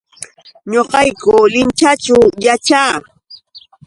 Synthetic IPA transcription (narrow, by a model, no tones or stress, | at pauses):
ɲoqɑjkʊlɪnt͡ʃat͡ʃʊjat͡ʃaː